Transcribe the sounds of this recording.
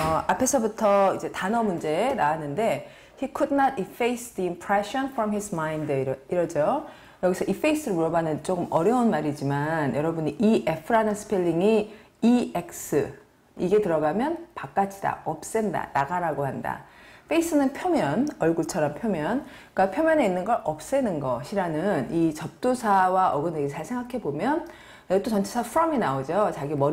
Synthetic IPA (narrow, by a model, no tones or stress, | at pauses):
ʌapʰe̞sʰʌbutʰʌid͡ʑe̞tanʌmund͡ʑe̞ɾaːnɯnde̞ | hikʰudnatifejsd̪iimpʰɹeɕʌnfɾʌmɦismaindiɾʌd͡ʑo | jʌɡisʰʌʔife̞is͈ɯɾmuɾʌbanɯnt͡ɕ͈oɡɯmʔʌɾjʌunmaɾid͡ʑimanjʌɾʌbuniʔiʔepʰɯɾanɯnsɯ̥pʰeʎːiŋi | iek̚s͈ɯ | iɡe̞tɯɾʌɡamjʌnpak͈̚at͡ɕʰid̥a̰ʌp̚s͈enda̰naɡaɾaɡohanda̰pʰe̞is͈ɯnɯnpʰjʌmjʌnʌɭɡuɭt͡ɕʰʌɾʌmpʰjomjʌnkapʰjʌmjʌne̞inːɯnɡʌɾʔʌp̚s͈e̞nɯnɡʌɕʰiɾanɯnit͡ɕʌp̚t͈osʰawaʔʌɡɯneɡet͡ɕʰaɭsʰe̞ŋɡakʰe̞bomjʌn | t͈ot͡ɕʌnt͡ɕʰesʰapʰuɾʌminaod͡ʑot͡ɕaɡimʌ